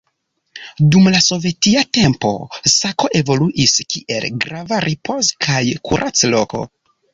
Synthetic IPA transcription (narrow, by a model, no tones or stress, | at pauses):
dumlaso̞ve̞tiate̞mpo̞̰sako̞ʔe̞vo̞luʔiskiʔe̞lɡɾavaɾʔipʰo̞skʰajkʰṵɾʔat͡slo̞̰ko̞̰